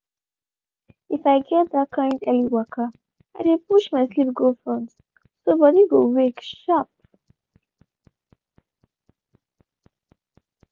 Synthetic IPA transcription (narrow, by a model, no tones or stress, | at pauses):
ifajɡɛt̚dat̚kʰãndɛliwɔkʰə | aɪdepuʃmaɪslipɡolfɹɔ̃n | sʌbɔdiɡowekʃap̚